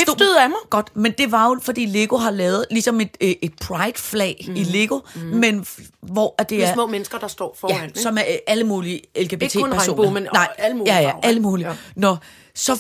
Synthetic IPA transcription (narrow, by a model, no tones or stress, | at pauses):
ð̩ˠæmɑɡ̥ɒ̽d̥mend̥e̝ʋɑ̈jo̝fɒ̽d̥ḭːle̝ɡ̥o̝ɦɑ̈lɛːʊð̞̩ˠlisɒ̽me̝d̥e̝d̥̚pʰʁɑ̈ɪd̥flɛ̰ːile̝ɡ̥o̝menʋɒæd̥e̝æɐɐmɔ̰̽ːmenəsɡ̥ɐd̥ɑ̈sd̥ɒ̰ːfɒjæsɒ̽mææləmuːlielkʰeb̥it͡sʰḛæɐo̰ːnmnnɑ̈ɪ̰ljæjæʔæləmuːlinɒ | sɒ̽